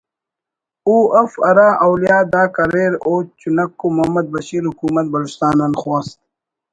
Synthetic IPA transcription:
uːɐfɐɾaːʔɐwlijaːd̪aːkɐɾeːɾoːt͡ɕunɐkːumɐmɐd̪̚bɐɕiːɾhukuːmɐt̪̚bɐlust̪aːnanxwaːst̪̚

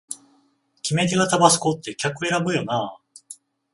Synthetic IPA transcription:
kʲime̞t̪e̞ɡat̪abasɨ̥ko̞t̪ːe̞kʲakɯ̟e̞ɾabɯ̟jo̞naː

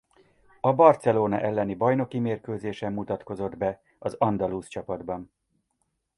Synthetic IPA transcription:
ɒbɒrt̪sɛloːnɒ̰ʔɛlːɛnibɒjno̞kimeːrkøːzeːʃɛmːut̪ɒt̪ko̞zo̞d̪bɛ | ɒzɒnd̪ɒluːst͡ʃɒpɒd̪bɒn

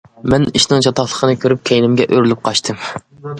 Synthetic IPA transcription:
mɛniʃnɨŋt͡ʃʰɑt̪ɑχlˠə̥qʰənɨkʲʰøɾyp̚kʲʰɛjnɪmɡʲɛʔøɾylyp̚qʰɑʃt̪ʰɨm

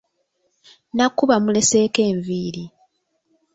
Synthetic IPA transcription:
nakːuβamule̞se̞ːke̞ːɱviːɾi

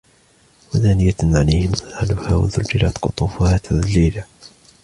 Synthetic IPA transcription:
waðaːnɪjaʕalajhɪmðˤaalʊha̰ːwa̰ðʊld͡ʒɪlat̪qʊ̰t̪ˤuːfʊhaːt̪ʰaðlːiːla

